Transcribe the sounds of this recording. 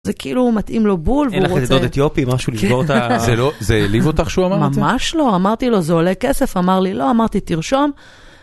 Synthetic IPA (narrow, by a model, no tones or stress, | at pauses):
zekeilumat̪ʔimlo̞bulveuʁotidodet̪jopimaʃuliʃboʁt̪azelozeːlivot̪aχʃeuamamamaʃlo̞amaʁt̪ilo̞zeolekese̞famaʁlilo̞amaʁt̪it̪iʁʃo̞m